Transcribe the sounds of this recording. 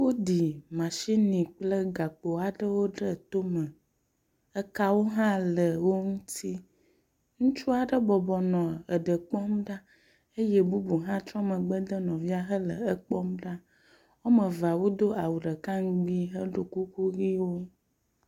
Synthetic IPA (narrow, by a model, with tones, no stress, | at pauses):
wo˦d̪i˨mã˨ʃi˦nĩ˨k͡plə˦ɡa˨k͡po˨a˨ɖə˦wo˦ɖə˦t̪o˦mə˨ | ə˦ka˦wo˦ɦã˦lə˨wo˦ŋũ˦t̪i˦ | ŋũ˦t͡ʃu˦a˨ɖə˦bɔ˨bɔ˨nɔ̃˨ə˨ɖə˨k͡pɔ˦mɖa˦ | e˦jɛ˦bu˦bu˨ɦã˦t̪ɾɔ̃˦mə̃˨ɡ͡bə˦d̪ə˦nɔ̃˨vi˦a˨ɦə˦lə̰˨ə˦k͡pɔ˦mɖa˦ | wo˦mə̃˨va˨wo˦d̪o˦a˨wu˨ɖə˨ka˦ŋ˦ɡ͡bi˦ɦə˦ɖo˨ku˦ku˦ɣi˦wo˦